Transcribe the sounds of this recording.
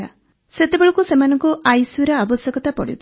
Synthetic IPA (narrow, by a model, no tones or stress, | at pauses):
a̰ | set̪ebeɭɔkusemanɔŋkuʔajswiɾɔabɔsjɔɡɔt̪apɔɽḭt̪ʰ